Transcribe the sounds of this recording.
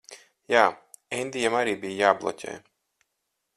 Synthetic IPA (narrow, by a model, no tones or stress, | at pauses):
jaː | ɛnd̪ijamaɾiːbijjaːblˠɔ̰cʲɛ̰ːj